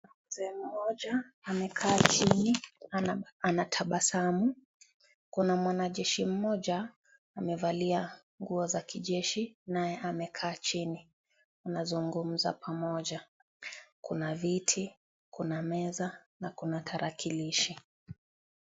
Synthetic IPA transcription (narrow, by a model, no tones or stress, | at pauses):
a | zɛm̩mɔʄaːmɛkʰaːt͡ʃini | anatʰaɓasamu | kunamwanaʄɛʃim̩mɔʄaː | mɛvalia | ŋɡuɔzakiʄɛʃinajɛʔamɛkʰaːt͡ʃini | unazuŋɡum̩za̰pʰamɔʄa | kunavitʰi | kʰunamɛza | nakunatʰaɾakʰiliʃi